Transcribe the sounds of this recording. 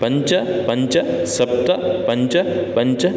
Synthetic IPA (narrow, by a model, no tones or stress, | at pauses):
pɐɲt͡ʃɐpɐɲt͡ʃɐsɐb̚t̪ɐpɐɲt͡ʃɐpɐɲt͡ʃɐ